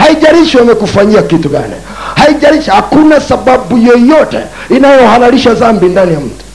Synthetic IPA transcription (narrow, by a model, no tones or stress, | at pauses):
haiʄaɾiʃiwamɛkufaɲiakituɡa̰nḭ | haiʄaɾiʃihakunasaɓaɓujɔjɔtɛ̰ | inajɔhaɾaɾiʃazambindanijam̩tu̥